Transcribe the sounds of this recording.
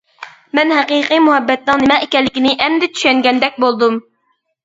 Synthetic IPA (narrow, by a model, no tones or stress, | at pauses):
mɛnɦɛqiqijmuɦɛbːɛt̪̚nɨŋnɪmɛʔekʲɛlːɪkʲinɪʔɛmd̪ɛt͡ʃ̪ʰy̥ʃɛŋɡʲɛnd̪ɛk̚ʲbolˠd̪um